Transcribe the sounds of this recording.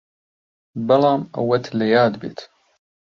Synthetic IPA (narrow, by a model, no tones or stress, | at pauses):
bɐlaːmɐ̰wɐt̪ʰlɐjaːd̪bḛt̪ʰ